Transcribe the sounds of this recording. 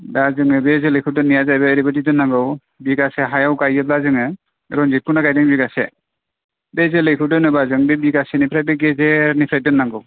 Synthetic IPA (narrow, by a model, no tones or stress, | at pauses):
dazɯŋɯbezelɯkʰɯdɯnːijazajbɯːɾibɔtidɯnːaŋɡɯw | biɡaseɦajawkajɯtlazɯŋɯ | ɾɔnzit̚kunakajdɯŋbiɡasɛ̰ | bezelɯjkʰɯdɯnɯbazɯŋbebiɡasɛnipʰɾaj̚beɡezeɾnipʰɾaj̚dɯnːaŋɡɯw